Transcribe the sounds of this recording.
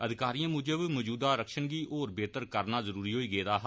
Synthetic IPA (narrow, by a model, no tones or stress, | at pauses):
əd̪ɪkaːɾijãːmʊd͡ʒəbmɔːd͡ʒuːd̪aːɾəkʃəɳɡiːʔoːɾbeːt̪əɾkəɾnaːzəɾuːɾiːɦoːiːɡeːd̪aːɦ